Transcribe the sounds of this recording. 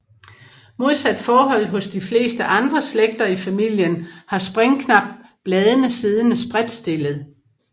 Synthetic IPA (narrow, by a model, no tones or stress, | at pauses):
mo̝ð̞ˠsæd̥fɒːɦɒ̽l̰ɦɔ̽sd̥ifle̝̰ːsd̥əʔɑ̈nd̥ʁɐsleɡ̥̚d̥ɐifæmil̰jənhɑ̈sb̥ʁaŋkʰnɑ̈b̥̚b̥lɛːðˠənəsið̞ˠənəsb̥ʁad̥sd̥e̝ləð̞̩ˠ